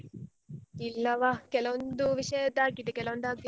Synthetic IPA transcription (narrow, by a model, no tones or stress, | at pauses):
ilːɐʋakelond̪uʋiʃeːd̪aːkːid̪ekelond̪aːɡe